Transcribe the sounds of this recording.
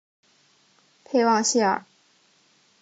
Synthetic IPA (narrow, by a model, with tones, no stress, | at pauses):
pʰe˥˧ɪwɑ˥˧ŋɕi˥˩ə̰˨˩